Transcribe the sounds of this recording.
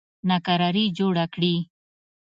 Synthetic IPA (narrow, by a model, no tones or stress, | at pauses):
nakaɾaɾid͡ʒoɽakɽi